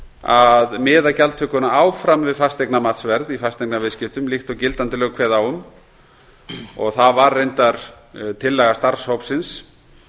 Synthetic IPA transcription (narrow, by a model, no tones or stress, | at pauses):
aðmɪːðacalt̪ʰœkʏnaaːwfɾamvɪðfast̪ejknamat̪svɛɾðifast̪eknavɪðscɪft̪ʏmlixt̪ɔwcɪlt̪ant̪ɪlœːɣkʰvɛːðawʏm | ɔ̰ɣθavarːejnt̪aɾ̥ | t̪ʰɪlːɛɣast̪aɾ̥showpsɪns